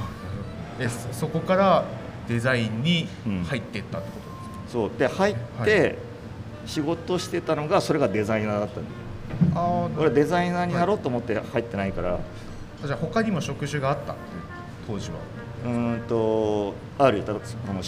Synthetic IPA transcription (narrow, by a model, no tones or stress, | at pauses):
eso̞ko̞kaɾa | d̪̥e̞zaĩɲ̟ːiɯ̃hait̪ːe̞t̪ːat̪ːe̞kot̪od̪s | so̞ːd̪e̞hait̪ːe̞ | ɕiɡo̞t̪oɕi̥t̪e̞t̪ano̞ɡaso̞ɾe̞ɡad̪e̞zainaːd̪at̪ːã̰nd̪es | aoɾed̪e̞zainaːɲ̟inaɾo̞ːt̪ːoːmo̞t̪ːe̞hait̪ːe̞naikaɾa̰ | d͡ʑaho̞kaɲ̟imo̞ɕo̞kɯ̟ʑɨɡaːt̪ːa̰t̪ːeɯ | t̪ʰo̞ːʑiβa̰ | ɯ̟̃t̪o̞ | aɾɯ̟it̪aano